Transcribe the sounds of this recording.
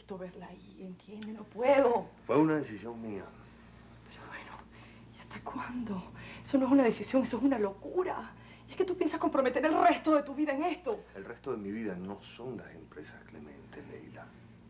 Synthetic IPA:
t̪o̞βe̞ɾlaieŋt̪jenenopweðo̞fweunaðesisjo̞ŋmia̰ | peɾoβwe̞no | iast̪akwand̪o̞e̞so̞noe̞s̬unað̞e̞sisjo̞ŋesoesunalo̞kuɾa̰ | ie̞ske̞t̪upjensasko̞mpɾo̞met̪e̞ɾe̞lre̞st̪o̞ðe̞t̪uβiðaeŋe̞st̪o̞elrest̪oðemiβiðano̞sõ̞nlasempɾesasklḛmḛ̃nt̪elḛjla

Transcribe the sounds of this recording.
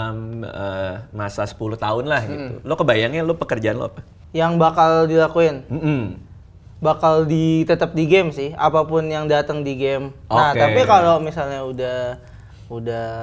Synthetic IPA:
məːasasə̥puluht̪aʊnlahɡit̪ṵlokəbajaŋɲalopəkərd͡ʒaanlo̰a̰pa | jaŋbakaldilakuɪnm̩m̩ | bakaldit̪ət̪əp̚diɡɛmsɪha̰papʊnjaŋdat̪əŋdiɡɛmoaht̪apikalomisalɲaudah | udah

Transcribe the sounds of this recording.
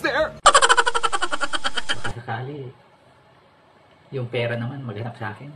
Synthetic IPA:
ðɛɹ | bɐkasɐkaːlɪ | jʊŋpɛːɾɐnɐmanmɐɡhɐnp̚sɐʔaːkɪn

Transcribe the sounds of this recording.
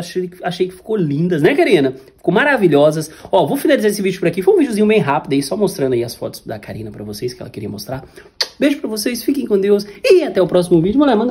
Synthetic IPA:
aʃeaʃejkɪ̥fi̥kolĩnd̪ɐsnɛkaɾĩnɐfi̥kowmaɾaviʎɔzɐsɔvowfinalizaɾesɪvid͡ʒʊpʊɾakifoj̃ũvid͡ʒʊzĩɲʊbẽj̃ɦapid̪ɐisɔmost̪ɾɐ̃nd̪aiɐsfɔ̰t̪ʊ̥sd̪ɐ̰kaɾḭ̃nɐpɾɐvoseskɪɛ̰lɐ̰kɪɾiɐmost̪ɾa | beʒʊpɾɐvosejsfikẽj̃kõd̪ewsɪat̪ɛʊpɾɔsimʊvid͡ʒʊmulɛmɐ̃nd̪ɐ

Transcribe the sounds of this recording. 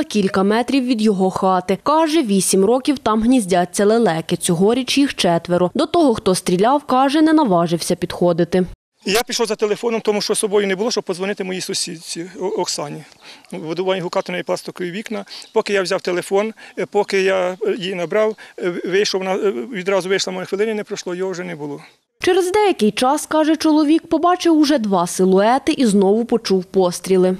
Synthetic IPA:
ɐkʲilʲkɐmɛt̪ɾʲiwʋʲid̪jɔɦɔxɑt̪ɪkɑʒɛʋʲisʲimrɔkʲiwt̪ɑmɦnʲizʲdʲat͡sʲːɐlˠelˠɛkɪt͡sʲɔɦɔɾʲit͡ʃjixt͡ʃɛt̪ʋeɾʊd̪ɔt̪ɔɦɔxt̪ɔst̪ʲɾʲilʲɑwkɑʒɛnɛnɐʋɑʒɪwsʲɐpʲid̪xɔd̪ɪt̪ɪ | japʲiʃlɔwzɐt̪elˠefɔnɔmt̪ɔmuʃt͡ʃɔsɔbɔjʊnɛbʊlˠɔʃt͡ʃɔb̚pɔzʋɔnɪt̪ɪmɔjisʊsʲid̪ʲt͡sʲiɔksɑnʲiʋɔd̪ʊʋɑnʲiɦʊkɑt̪enɔjiplˠɑst̪ɪkɔʋʲiʋʲiknɐpɔkɪjawzʲɑwt̪elˠefɔnpɔkɪjɑjinɐbɾɑwʋɪjʃɔwnɑʋʲid̪ɾɑzʊʋɪjʃlˠɐmɔjɔxʋelˠɪnɪinɛpɾɔʃlˠɔjɔɦɔwʒɛnɛbʊlˠɔ | t͡ʃɛɾezd̪ɛjɐkɪjt͡ʃɑskɑʒɛt͡ʃɔlˠɔʋʲikpɔbɑt͡ʃɪwʊʒɛd̪ʋɑsɪlˠʊɛt̪ɪʔiznɔʋʊpɔt͡ʃuwpɔst̪ʲɾʲilˠɪ

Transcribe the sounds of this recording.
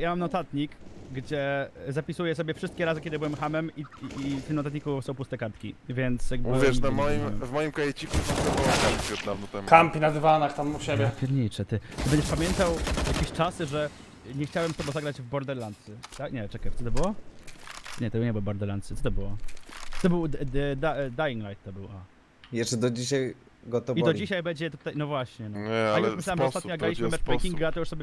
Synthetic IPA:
jamamnɔt̪at̪ɲikɡd͡ʑɛzapʲisujɛs̬ɔbʲjɛfʂɘst̪̚kʲɛɾazɘkʲɛd̪ɘɨbɘwɛmxamɛmit̪ɘmnɔt̪at̪ɲikusɔ̃w̃pust̪ɛkaɾt̪kʲivʲjɛnt̪sjaɡ̚bvʲjɛʂnamɔjimvmɔjimkɔjɛt͡ɕikutakt̪ɛbɔwɔavʲɛt̪̚navnɔt̪ɛmkampʲinad̪ɘvanakt̪amuɕɛbʲjɛpʲɛɾɲit͡ʂɛt̪ɘt̪ɘbɛɲd͡ʑɛʂpamʲjɛnt̪awjakʲeɕt͡ʂasɨʐɛ | ɲɛxt͡ɕawɛmst̪ɔbɔzaɡɾad͡ʑvbɔɾd̪ɛɾlant̪sɘt̪aɲɛt͡ʂɛkajt̪ɔt̪̬ɔbɘwɔ | ɲɛt̪ɔbɨwɲɛbɨwɔvbɔɾd̪ɛɾlant̪sɨt̪ɔt̪̬ɔbɘwɔt̪ɔbɘw̪d̪ad̪ajiŋɡlajt̪tːɔbɘwa | jɛst͡ʂɛd̪ɔd͡ʑiɕaj | ɡɔt̪ɔbid̪ɔd͡ʑiɕajbɛɲd͡ʑɛt̪u̥t̪ajnɔvwaɕɲɛnɔɲɛajuʂmɪɕlawɛmɔst̪atɲɔzaɡɾalʲiɕmɨmɛt͡ʂpɛkʲiŋɡaat̪ɔjuʂsɔbʲɛ

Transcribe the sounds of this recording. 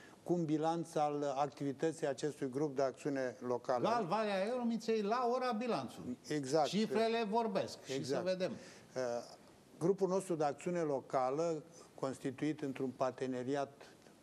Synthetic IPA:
kumbilant̪salak̚t̪ivit̪ət̪sijat͡ʃe̞st̪ujɡɾup̚d̪eak̚t̪siune̞lo̞kalalvaleaeɾomit̪sejlaoɾabilant̪sṵleɡzakt͡ʃifɾele̞vo̞rbeskʃeiɡszaəved̪em | ɡɾupulno̞st̪ɾud̪eak̚t̪siune̞lo̞kaləko̞nst̪it̪uit̪ɨnt̪ɾunpart̪ene̞ɾiat̪

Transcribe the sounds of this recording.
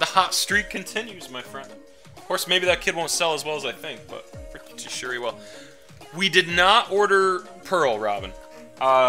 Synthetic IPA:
ðəhɑtstɹ̥it̚kʰɨ̃ntʰɪ̃njʉzmaɪfɹɛ̃nd̥ | ʌ̥kʰɔɹsmeɪbiðɨt̚kʰɪd̚wõʊ̃ntsɛlˠəzwɛlˠəzaɪθɪ̃ŋk̚b̥ʌ̰t̚pʰɹi̥ | ɨ̥ʃʊɹiwɛlˠ | widɨdⁿnəɾɔɹɾə˞ | pʰɜ˞l̩ˠɹɑ̰bɨ̃n | ʔʌ

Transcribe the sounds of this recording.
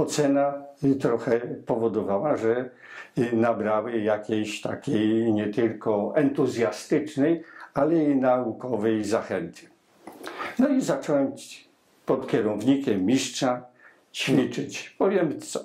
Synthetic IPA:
ɔt̪sɛnat̪ɾɔxɛpɔvɔd̪ɔvawaʐɛ | nabɾawɘjakʲejɕt̪akʲejɲɛt̪ɘlkɔɛnt̪uzʲjast̪ɘt͡ʂnɛjalɛinaukɔvɛjzaxɛnt̪ʰɘ̥ | nɔizat͡ʂɔwɛmt͡ɕ | pɔt̪kʲɛɾɔvɲikʲɛmːʲiʂt͡ʂa | t͡ɕfʲit͡ʂɪt͡ɕpɔvʲjɛmsɔ

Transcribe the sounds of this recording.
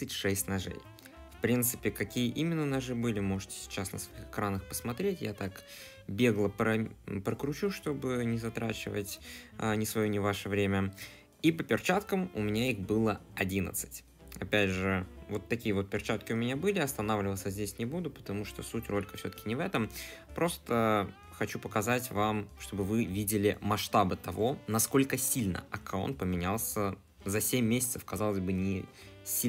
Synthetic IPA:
ɨtʲʂɛsʲtʲnɐʐɛ̰j | fpɾʲint̪sɨ̥pʲɪkɐkʲijəʔimʲɪnːənɐʐɨbɨlʲɪmo̞ʐɨtʲɪ̥sʲɪ̥t͡ɕasnəsvɐixɨkɾanəxpə̥smɐt̪ɾʲetʲja̰t̪ak | bʲe̞ɡlˠəpɾəpɾəkɾʊt͡ɕuʂt̪o̞bɨnʲɪzɐt̪ɾat͡ɕɪvə̰tʲnʲɪsvɐjonʲɪvaʂəvɾʲemʲə | ipəpʲɪrt͡ɕat̪kəmʊ̰mʲɪnʲaixbɨlˠə | ɐdʲinə̰t̪sɨ̥tʲ | ɐpʲædʲʐɨvo̞t̪ːɐkʲijəvo̞t̪̚pʲɪrt͡ɕat̪kʲɪʊmʲɪnʲabɨlʲɪɐst̪ɐnavlʲɪvət̪sʲəzʲdʲesʲnʲɪbud̪ʊpə̥t̪ɐmuʂt̪o̞sutʲro̞lʲɪkə̥fsʲo̞t̪ə̥kʲɪnʲɪvɛt̪əm | pɾo̞st̪ə | xɐt͡ɕupəkɐzatʲvamʂt̪o̞bɨvɨvʲidʲɪlʲɪ̰mɐʂt̪abɨt̪ɐvo̞nɐsko̞lʲkəsʲilʲnə̰ɐkao̰nt̪̚pəmʲɪnʲalˠsʲə | zɐsʲemʲːesʲɪt̪səfkɐzalˠəzʲbɨnʲɪ | sʲi

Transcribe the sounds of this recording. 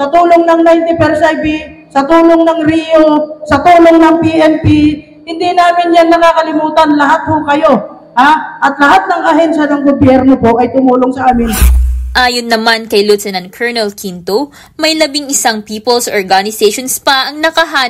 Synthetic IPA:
sɐt̪uːloŋnɐŋnajnt̪ɪpɛɾsajbisɐt̪uːloŋnɐŋɾiosɐt̪uːloŋnɐŋpiʔɛmpi | hɪnd̪inaːmɪnjanːɐŋakɐlɪmuːt̪ɐnlɐɦat̪̚hʊkɐjo̞ | haʔɐt̪lɐɦat̪̚nɐŋʔɐɦɛnʃɐnɐŋɡobjɛɾno̞po̞ʔɐjt̪ʊmuːloŋsɐʔaːmɪnʔaːjonːɐmankɐjlut̪sɛnɐnkʰɛɹnɛlkʰint̪o | mɐjlɐbɪŋɪsaŋpiːpolsʔoɹɡanɪsɛjʃonspɐʔɐŋnɐkɐɦaː

